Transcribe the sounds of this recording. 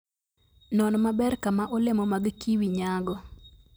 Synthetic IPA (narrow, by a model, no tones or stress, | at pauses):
nɔnmabɛrkamaʔolemɔmaɡkiwiɲaɡɔ